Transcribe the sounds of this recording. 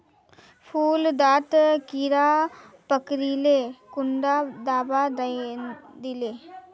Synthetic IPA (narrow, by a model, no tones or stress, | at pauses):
pʰuːld̪aːt̪kiɾaː | pəkɾilekʊɳɖad̪aːbad̪ | d̪ileː